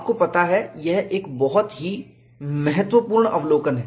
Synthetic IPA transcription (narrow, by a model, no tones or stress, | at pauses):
p̚kopɐt̪aɦɛjɛɦʔeːkbɔɦɔt̪ɦi | mɛɦət̪wʋəpuːɾɳɐ̰ʋloːkənɦɛː